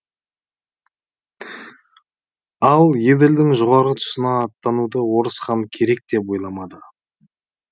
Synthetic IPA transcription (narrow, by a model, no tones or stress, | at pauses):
ɑlˠje̞d̪ɪld̪ɪŋʒoʁɑɾət̪ʰʊ̥sənɑːt̪ːɑnud̪əwo̞ɾəsqɑŋkʲʰe̞ɾe̞k̚t̪e̞p̬wo̞jlˠɑmɑd̪ə